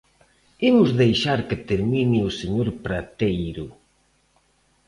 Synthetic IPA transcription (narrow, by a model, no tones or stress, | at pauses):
imʊzðejʃaɾket̪eɾminiʊseɲoɾpɾat̪ejɾʊ